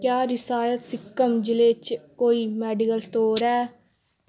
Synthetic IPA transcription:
kjaːɾɪsaːjət̪sɪkːəmd͡ʒɪleːt͡ʃkoːiːmɛːɖɪkəlsʈ̪oːɾɛː

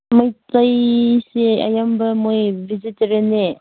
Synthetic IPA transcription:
majtajsea̰jambɐmojviziteɾene

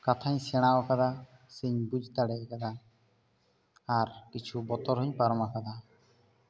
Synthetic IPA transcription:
kat̪ʰaɲsɛɽ̃awakad̪a | sɛɲbud͡ʒʱt̪aɽɛkad̪a | ɾkit͡ʃʰubɔt̪ɔɾɦɔɲpaɾɔmakad̪a

